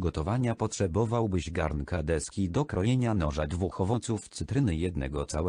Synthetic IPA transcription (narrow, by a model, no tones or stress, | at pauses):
ɡɔt̪ɔvaɲapɔtʂɛbɔvawbɘʑɡa̰ɾnkad̪ɛskʲid̪ɔkɾɔjeɲanɔʐad̪vuxɔvɔnt̪suft̪sɘt̪ɾɘnɘjɛd̪nɛ̰ɡɔt̪sawɛ